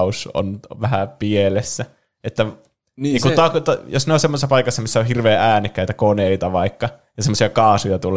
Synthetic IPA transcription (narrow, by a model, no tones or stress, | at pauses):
uso̰nʋæhæpielesːæ | et̪ːæ | iːkut̪ɑkt̪ɑjosneonsemːosesːɑpɑikɑsːɑmisːæohirʋeːʔæːnikːæit̪ækoneit̪ɑʋɑikːɑ | jɑsemːosiɑkɑːsujɑt̪ulˑ